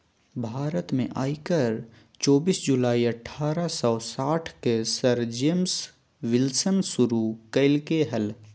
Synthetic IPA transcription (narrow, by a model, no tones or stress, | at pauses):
bʱaːɾət̪mẽʔa̰ːikəɾ | t͡ʃɔːbiːsd͡ʒʊlaːiɐʈʰːaːɾasɔːsaːʈʰkesɐɾd͡ʒeːms | ʋɪlsənsʊɾukɐɪlkeɦɛl